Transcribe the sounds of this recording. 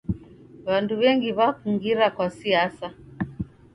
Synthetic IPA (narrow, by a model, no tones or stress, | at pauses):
βanduβɛŋɡiβakuŋɡiɾakwasiasa